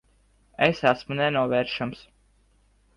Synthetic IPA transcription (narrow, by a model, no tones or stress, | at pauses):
esæsmunɛnuɔvɛːɾʃams